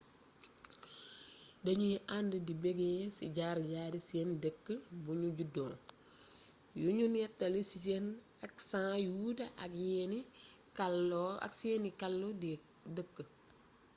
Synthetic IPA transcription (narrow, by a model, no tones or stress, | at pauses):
dɐɲujɛʔandədibeɡesḭɟaːɾɟaːɾiseːndəkːəbuɲuɟudo̰ː | juɲunjɛtːɐlisisen | ɐksãːjudɐʔɐkjeni | kalɐ̰ksenikalːod | dəkːə